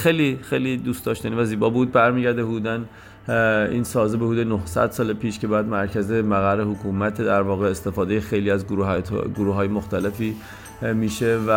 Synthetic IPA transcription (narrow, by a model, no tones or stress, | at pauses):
xejliːxejlid̪uːst̪ɒːʃt̪ænivæziːbɒːbuːd̪̚bæɾmiːɟæɾd̪ehud̪uːd̪æn | ḭːnsɒːzebehuːd̪enohsæ̰d̪sɒːlepʰiːʃcʰe̞bæːjæd̪mæɾcʰæze̞mæɣæɾːehokʰuːmæt̪ʰd̪æɾvɒːɣeːst̪e̞fɒːd̪ejexejliːæzɡuɡoɾuːɦɒːjemoxt̪ælefiː | miːʃe̞væ